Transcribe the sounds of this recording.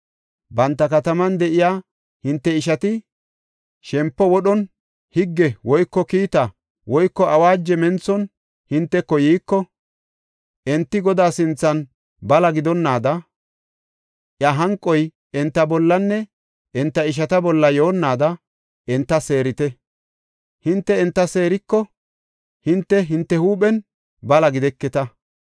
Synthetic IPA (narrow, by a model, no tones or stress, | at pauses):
bɐnt̪ːɐkɐt̪ɐmɐnd̪ɛʔɪjaː | hɪnt̪ːɛɪʃɐt̪ɪ | ʃɛmpːɔwɔɗɔn | hɪɡːɛwɔjkːɔkiːt̪ɐ | wɔjkːɔʔɐwaːd͡ʒːɛmɛnt͡sːɔn | hɪnt̪ːɛkːɔjiːkːɔ | ʔɛnt̪ːɪɡɔd̪aːsɪnt͡sːɐn | bɐlɐɡɪd̪ɔnːaːd̪ɐ | ʔjɐɦɐŋkʼːɔj | ɛnt̪ːɐbɔlːɐnːɛ | ʔɛnt̪ːɐɪʃ̬ɐt̪ɐbɔlːɐjo̞ːnːaːd̪ɐ | ɛnt̪ːɐse̞ːɾɪt̪ɛ | hɪnt̪ːɛɛnt̪ːɐse̞ːɾɪkːɔ | hɪnt̪ːɛɦɪnt̪ːɛhuːɓɛn | bɐlɐɡɪd̪ɛkːɛt̪ɐ